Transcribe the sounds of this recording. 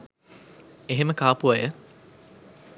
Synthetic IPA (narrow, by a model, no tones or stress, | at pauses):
eɦeməkaːpuajə